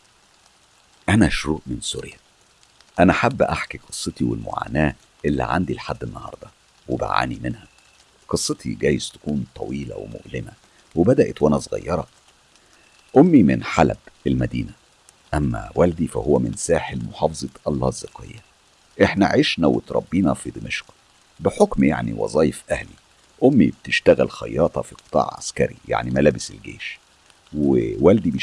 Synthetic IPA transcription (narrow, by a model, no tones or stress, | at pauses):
ʔænæʃoɾuːʔmensuɾjæ | ʔænæħabːʔaħkiqʰɨsˤːet̪iwḛlmo̰ʕa̰ːnæː | ʔelːḭʕa̰nd̪ilħad̪ːenːɑhɑ̰ɾˤd̪ˤɑ | webæ̰ʕa̰ːnimenhæ | qɨsˤːɑt̪ʰḭɡæːjezt̪æ̥kuːnt̪ˤʰɑwiːlæ̰wḛmo̰ʔlɪmæ | webæd̪æʔet̪wʔænæsˤɣɑ̰jːɑɾˤɑ | ʔomːimɪnħalæ̰bʔelmæd̪iːnæ | ʔæmːæ̰wæld̪ifæ̰howːæmɪnsæːħelmoħɑːfzˤɑt̪ʔɑlˤːɑ̰ːzːeqḛjːæ | ʔeħnæʕeʃnæwḛt̪ɾˤɑbːiːnɑfid̪imeʃq | beħokmja̰ʕniwɑ̰zˤɑːjefʔæhli | ʔomːibet̪eʃt̪æɣælxɑjːɑːt̪ˤʰɑfiqɨ̥t̪ˤɑ̰ːʕʕa̰skæɾḭja̰ʕnimælæːbeselɡḛːʃ | wewæld̪ib